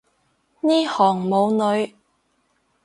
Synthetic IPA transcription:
niː˥hɔː˨˩ŋmo˨˧wnɵ˨˧ɥ

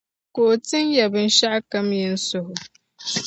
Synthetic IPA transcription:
ko˨tɪ˦njɛ˨bɨ˨n̩˦ʃa˦ʔa˦ka˦mjɪ˦n̩˦sʊ˦hʊ˨

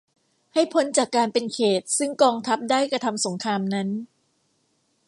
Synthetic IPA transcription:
ha˥˩jpʰo˦˥nt͡ɕaː˨˩kːaː˧npe˧nkʰeː˨˩t̪̚sɯ˥˩ŋkɔː˧ŋt̪ʰa˦˥p̚daː˥˩jkɾa˧t̪ʰa˧mso˩˦ŋkʰɾaː˧mna˦˥n

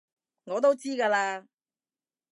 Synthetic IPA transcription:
ŋɔː˨˧t̪o˥wt͡siː˥kaː˧laː˧

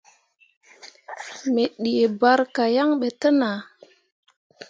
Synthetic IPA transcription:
me˨ɗi˨e˨ba˦ɾka˨ja˦ŋɓe˨tə˦na˨

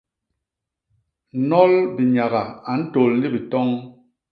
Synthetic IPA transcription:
nɔ˦lbi˨ɲa˨ɣa˨a˨n̩˦to˨lli˦bi˨tɔ˦ŋ

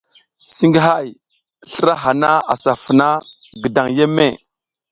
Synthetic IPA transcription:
si˦ŋɡi˦ɦa˦˨j | ɬə˦ɾa˦ɦa˨na˦a̰˨sa˨fə˨na˦ | ɡə˨da˨ŋje˦mːḛ˦˨

